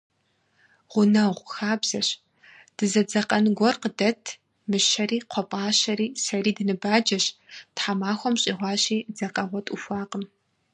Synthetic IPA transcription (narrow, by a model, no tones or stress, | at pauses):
ʁʷʊnɐʁʷxaːbz̥ɐɕ | d̥ɨzɐd͡zɐqʼɐnɨɡʷɔrqədɐtʰ | mɨʃɐɾiːqʷʰɔpʼaːʃɐɾiːsɐriːdɨnɨbaːd͡ʒɐɕtħamaːxʷɔmɕʼiːʁʷɑːɕiːd͡zɐqʼɐʁʷɔtʼufʷɑːqəm